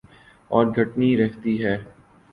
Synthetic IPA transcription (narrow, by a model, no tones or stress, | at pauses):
ɔːɾɡʱɐʈniɾɛɦt̪iɦɛː